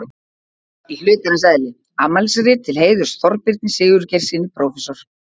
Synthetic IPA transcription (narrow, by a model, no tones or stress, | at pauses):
illʏːt̪aɾɪms̬ɛðlɪ | amalsɾɪt̪ʰɪlɦeːjðʏɾ̥sθɔɾpɪɾt̪̚nɪsɪːɣʏɾcɛɾ̥siːnːɪpʰɾɔːwfɛsɔɾ̥